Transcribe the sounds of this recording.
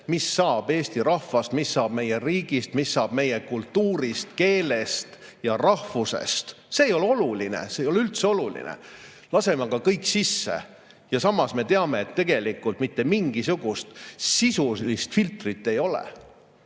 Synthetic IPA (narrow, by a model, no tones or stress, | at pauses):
misːɑːb̥e̞ːst̪iɾɑhvɑst̪misːɑːb̥me̞jeriːɡ̥ist̪misːɑːb̥me̞jekult̪ːuːɾist̪̚ke̞ːle̞st̪ | jɑrɑhvuse̞̰st̪ | se̞ːjo̞leo̞lulinḛse̞jo̞leylt̪seo̞lulḭnḛ | lɑse̞mɑkɑkɤjkːˑsisːḛ | jɑsɑmːɑsme̞t̪e̞ɑme̞ːt̪ːe̞ɡ̥e̞likːˑult̪mit̪ːe̞miŋɡ̥isuɡ̥ust̪sisulist̪filt̪rit̪ːe̞jo̞lḛ